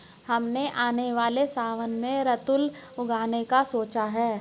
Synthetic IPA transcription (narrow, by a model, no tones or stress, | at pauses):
hɐmneʔaːneʋaːlesaːʋənmẽɾɐt̪ʊl | ʊɡʱaːnekasoːt͡ʃaɦɛː